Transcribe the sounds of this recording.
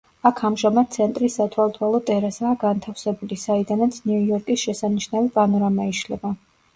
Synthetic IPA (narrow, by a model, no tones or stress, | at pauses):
akʰamʒamad̪̥̚sʰɛnt̪ʼɾisːat̪ʰwalˠt̪ʰwalˠɔt̪ʼɛɾasaːɡant̪ʰafsɛbulisaid̪anat̪sʰniujɔɾkʼisʃɛsaniʃnavipʼanɔɾamaiʃlɛba